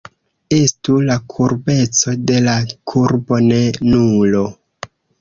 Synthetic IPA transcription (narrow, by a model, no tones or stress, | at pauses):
e̞stulakʰuɾbe̞t͡so̞de̞lakʰuɾbo̞ne̞nulo̞